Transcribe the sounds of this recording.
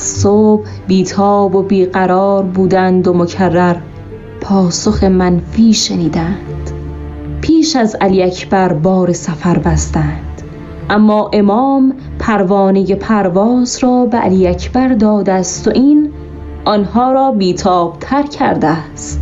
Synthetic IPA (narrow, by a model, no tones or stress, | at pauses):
soːb | biːt̪ʰɒːbo̞biːɣæɾɒːɾbuːd̪ænd̪o̞mocʰærːæɾ | pʰɒːsoxe̞mænfiːʃeniːd̪ænd̪̥ | pʰiːʃæzæliːæcʰb̥æɾbɒːɾesæfæɾbæst̪ænd̪̥ | ʔæmːɒːʔe̞mɒːm | pʰæɾvɒːneje̞pʰæɾvɒːzɾɒːbeʔæ̰liːæcʰb̥æɾd̪ɒːd̪æst̪oʔiːn | ʔɒnhɒːɾɒːbiːt̪ʰɒːb̥t̪ʰæɾcʰæɾd̪æst̪